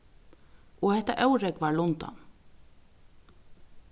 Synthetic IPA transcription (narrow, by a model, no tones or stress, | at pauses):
ɔhɛht̪aʔœwɾɛekvaɹlʊnt̪a̰n